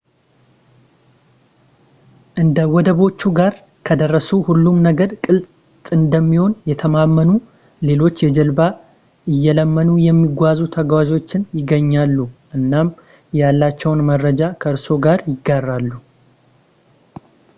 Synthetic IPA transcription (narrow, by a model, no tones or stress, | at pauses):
ʔɨnd̪əwɔd̪əβo̞t͡ʃːuɡaɾ | kʰəd̪ərːəsuhulːumnəɡəɾkʼɨlt̪ | t̪ʼɨnd̪əmːiho̞njɛt̪ʰəmamːənu | le̞lo̞t͡ʃːjɛd͡ʒɛlba | ʔɨjːɛləmːənujɛmːiɡʷazut̪ʰəɡwazo̞t͡ʃːɪnjɪɡːəɲːalːuʔɨnːam | jalːat͡ʃːɛwnmərːəd͡ʒakʰəɨɾso̞ɡaɾjɪɡːarːalːu